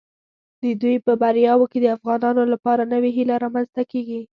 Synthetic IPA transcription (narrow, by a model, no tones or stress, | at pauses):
d̪əd̪ujpəbaɾjɑwoked̪əafɣɑnɑnolapɑɾanəweɦilaɾɑmanzt̪akeɡi